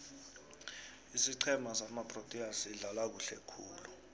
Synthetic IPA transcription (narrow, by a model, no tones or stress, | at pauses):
isiǀʰɛmasamapʼrotʼiasiɮalak̬uɬɛ̰kʰuːlu